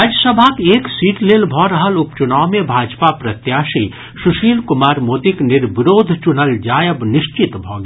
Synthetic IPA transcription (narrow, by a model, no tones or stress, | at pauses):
aːd͡ʒəsəbʱakeːksiːʈleːlbʱɔːɾəɦəlʊpt͡ʃʊnaːwmẽbʱaːd͡ʒpapɾɐt̪jaːʃi | sʊʃiːlkʊmaːɾmoːt̪iknɪɾbɪɾoːd̪ʱt͡ʃʊnəld͡ʒaːjəbnɪʃt͡ʃɪt̪bʱɔːɡ